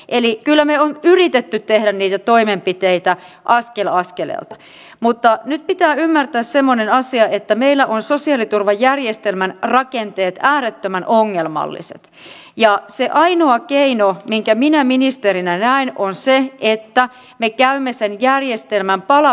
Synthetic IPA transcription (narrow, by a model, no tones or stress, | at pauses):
ʔelikylːæmeonyrit̪et̪ːyt̪t̪ehdænniːt̪æt̪oimempit̪eit̪æ | ʔɑskelɑskelḛlt̪ɑ̥ | mut̪ːɑnyt̪̚pit̪æːymːært̪æːssemːonenɑsiɑet̪ːæmeilːæʔonsosiɑlit̪urʋɑjjærjest̪elmænrɑkent̪eːt̪æːɾet̪ːømænʔoŋːelmɑ̰lːḭsḛt̪ | jɑseʔɑinoɑkeinomiŋkæminæminist̪eɾinænæinonseet̪ːæ | mekæymːesenjærjest̪elmæmpɑlɑ